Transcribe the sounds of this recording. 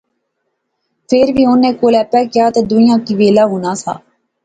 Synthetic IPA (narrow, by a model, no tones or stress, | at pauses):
pʰeːɾʋiːʊnːẽːkoːlɛːpːɛːkɪjaːt̪eːd̪ʊĩjãːkiːʋeːlaːɦoːnaːsʰa̰ː